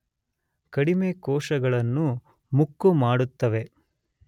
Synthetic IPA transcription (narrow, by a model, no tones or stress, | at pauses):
kɐɽimekɔːʂɐɡɐɭɐnːu | mukːumaːɽut̪ːɐʋe̞